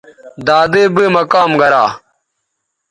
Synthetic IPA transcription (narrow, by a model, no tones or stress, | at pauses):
d̪aːd̪eːbeːmɐkaːmɡɐɾaː